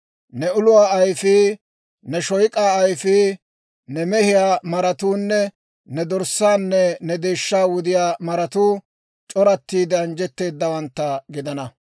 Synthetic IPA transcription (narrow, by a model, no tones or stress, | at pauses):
nɛʊlʊwaːɐjfɪ | nɛʃɔjkʼaːjfɪ | nɛmɛhɪjaːmɐɾɐt̪uːnːɛ | nɛd̪ɔɾsaːnːɛnɛd̪e̞ːʃːaːwʊd̪ɪjaːmɐɾɐt̪uː | t͡ʃʼɔɾɐt̪ːiːd̪ɛɐnd͡ʒɛt̪ːe̞ːd̪ːɐwɐnt̪ːɐɡɪd̪ɐnɐ